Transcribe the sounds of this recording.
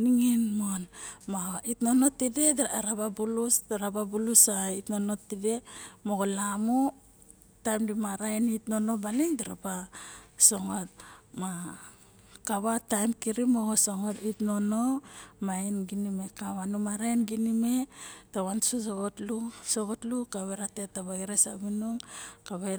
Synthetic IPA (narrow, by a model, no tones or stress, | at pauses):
niŋinmonmaitno̞no̞tide̞daɾababulusɾababulusaitno̞no̞tːide̞mo̞ɡolamu | tajmdimaɾaenitno̞no̞balindiɾapaso̞ŋo̞t̚ma | kaβatajmkiɾimoɡosoŋo̞titno̞no̞mainɡinime̞kawanumaɾaenɡinime̞tawansosoɡotlusoɡotlukaβeɾate̞taβaiɾesa̰βinuŋkaβa